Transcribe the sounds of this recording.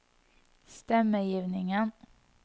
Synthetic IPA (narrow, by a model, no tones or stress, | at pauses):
st̪ɛmːəjiːvnɪŋən